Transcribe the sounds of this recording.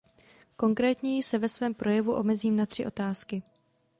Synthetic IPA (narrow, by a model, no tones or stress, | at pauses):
ko̞ŋkɾɛːt̪ɲɛjɪsɛvɛsvɛːmpɾo̞jɛvuʔo̞̰mɛziːmnat̪r̝̥ɪʔo̞t̪aːskɪ